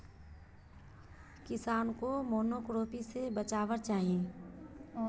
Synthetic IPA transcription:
kɪsaːnkomoːnoːkɾoːpisebət͡ʃaːʋəɾt͡ʃaːɦiẽː

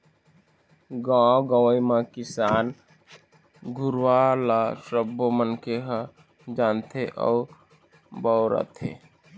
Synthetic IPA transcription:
ɡãːoɡawimãkɪsaːn | ɡʱʊɾwalaʃəbʱːomənkeɦa | d͡ʒaːnt̪ʰeʔɔ̰ | baʊɾa̰t̪ʰḛː

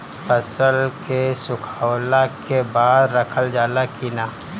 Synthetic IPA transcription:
pəsəlkesʊkʰawlakebaːd̪ɾəkʰəld͡ʒaːlakinaː

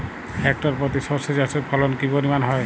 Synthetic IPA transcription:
ɛk̚tɔɹpɹɔt̪̬isɔsezasepʰɔlɔnkibɔnimanɦɔj

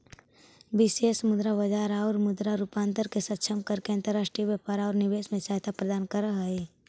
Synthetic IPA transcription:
bɪseːsəmʊd̪ɾabəd͡ʒaːɾaɔɾmʊd̪ɾaɾupãːnt̪əɾkesət̪ːʃʰəmkəɾkeənt̪əɾaːʃʈɾijbjapaːɾaːɾnɪʋeːsmẽsaːt̪ʰapɾəd̪aːnkəɾəɦe

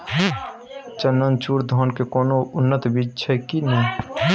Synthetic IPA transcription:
t͡ʃənənt͡ʃuɾd̪ʱɔnkekoːnoʊnːət̪bid͡ʒt͡ʃʰɛkinɛ

